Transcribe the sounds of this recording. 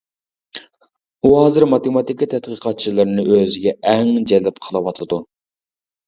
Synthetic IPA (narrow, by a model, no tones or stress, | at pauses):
uɦɑːzɨɾmɑt̪emɑt̪ikʲːit̪ʰɛt̪̚qʰɨqɑt̪̚t͡ʃʰilˠɨɾnɪʔøzɪɡʲɛʔɛŋd͡ʒɛlɪpqʰəlˠɨwɑt̪ʰɨd̪u